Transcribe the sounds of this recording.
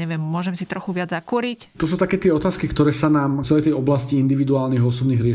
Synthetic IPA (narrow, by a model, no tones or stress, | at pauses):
ɲɛʋjɛmmʊɔʒɛmsit̪ɾɔxuʋɪad͡zzakuɾict̪ɔsuːt̪akɛːt̪ɪɛɔt̪aːskikt̪ɔɾɛːsanaːmt͡sɛlɛjt̪ɛjɔblasciind̪iʋid̪uaːlniɣɔsɔbniːɣɾɪɛ